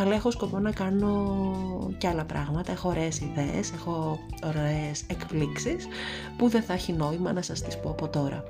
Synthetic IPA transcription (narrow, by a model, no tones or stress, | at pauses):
ɐlɐe̞xo̞sko̞po̞nɐkɐno̞ | ceɐlɐpɾʔɐɣmɐt̪ɐe̞xo̞ːɾe̞ːsiðeḛse̞xo̞oɾeːsekpliksis | puðeθɐçino̞imɐnɐsɐst̪ispoɐpo̞t̪o̞ɾɐ̰